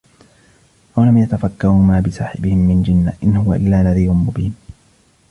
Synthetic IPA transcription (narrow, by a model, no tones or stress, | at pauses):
walamjat̪afakːaɾuːmaːbɪsaːħɪ̰bɪhɪmːɪnd͡ʒɪnːaʔɪnhʊwaʔɪ̰lːaːlːaðiːjʊnmʊbiːn